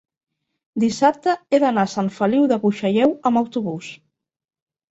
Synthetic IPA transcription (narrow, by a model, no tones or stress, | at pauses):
d̪isap̚t̪əeðənasaɱfəliwðəβuʃəʎɛwəməwt̪uβus